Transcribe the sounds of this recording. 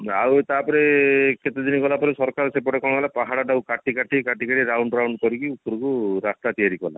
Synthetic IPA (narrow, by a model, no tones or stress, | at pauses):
a̰wt̪apɔɾeket̪ed̪iniɡɔlapɔɾesɔɾkaɾsepɔʈekɔ̃ɔɡalapaɦaɽaʈawkaʈikaʈikaʈikaʈiɾawɳɖɾawɳɖkɔɾikiupɔɾɔkuɾast̪at̪ijaɾikɔla̰